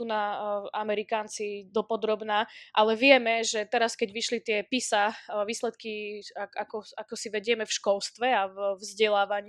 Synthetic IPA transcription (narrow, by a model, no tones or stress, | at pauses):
sunaamɛɾikaːnt͡sid̪ɔpɔd̪ɾɔbnaʔalɛʋɪɛmɛʒɛt̪ɛɾaskɛɟʋiʃlit̪ɪɛpisaʋiːslɛt̪kiaakɔakɔsiʋɛɟɪɛmɛfʃkɔlst̪ʋɛavvzɟɛlaːʋaɲ